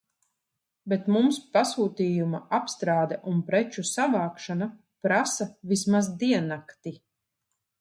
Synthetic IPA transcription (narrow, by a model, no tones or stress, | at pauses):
bet̪mumspasuːt̪iːjumaapst̪ɾaːd̪ɛʔunpɾɛt͡ʃusavaːkʃana | pɾasavismazd̪iɛnakt̪i